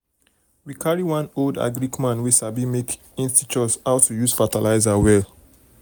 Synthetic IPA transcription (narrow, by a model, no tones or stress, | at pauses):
wikʰaɹiwãnolda̰ɡɹikmãnwisabimek | ĩnstit͡ʃɔsaʊtʰːujusfatalaɪzawɛl